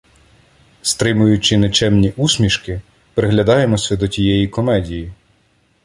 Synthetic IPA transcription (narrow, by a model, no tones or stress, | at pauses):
st̪ɾɪmʊjʊt͡ʃɪnet͡ʃɛmnʲiʔusʲmʲiʃkɪ | pɾeɦlʲɐd̪ɑjemɔsʲɐd̪ɔtʲijɛjikɔmɛdʲiji